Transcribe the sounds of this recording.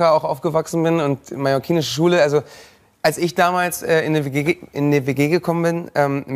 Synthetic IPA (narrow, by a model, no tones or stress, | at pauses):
ɐaʊxʔaʊfɡ̥əvaksn̩bɪnʊnt̚majɔkʰiːnɪʃəʃ̬uːləalzo | ʔalsɪçd̥aːmaːlsʔɛːɪnəveɡeːɪ̰ndiveːɡeːɡəkʰɔmənbɪnʔɛːmm